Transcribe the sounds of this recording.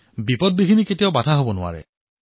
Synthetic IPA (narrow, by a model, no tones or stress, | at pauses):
bipɔd̚biɦiniketijabatʰaɦobɔnʊa̰ɹɛ̰